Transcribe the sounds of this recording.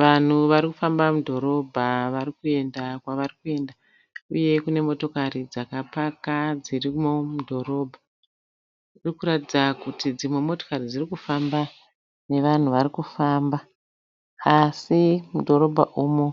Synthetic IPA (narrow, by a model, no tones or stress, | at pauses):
ʋan̤uʋaɾikufambamudʱo̞ɾo̞bʱaʋaɾikue̞ndakwaʋarikue̞nda | uje̞kune̞mo̞to̞karid͡zakapakad͡zirimomudʱo̞ɾo̞ːbʱa | irikuɾatid͡zakutid͡zimwemo̞to̞̥karid͡zirikufamba | ne̞ʋan̤uʋaɾikufaːmba | asimudʱo̞ɾo̞bʱa̰ʔuːmo̞